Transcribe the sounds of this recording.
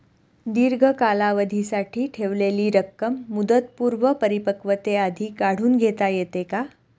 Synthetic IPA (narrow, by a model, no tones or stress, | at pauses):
d̪iɾɡʱəkalaʋəd̪ʱisaʈʰiːʈʰeʋleliːɾəkːəmːud̪ət̪̚puːɾʋəpəɾipəkʋət̪ead̪ʱiːkaɽ̤uːnɡʱet̪ajet̪eka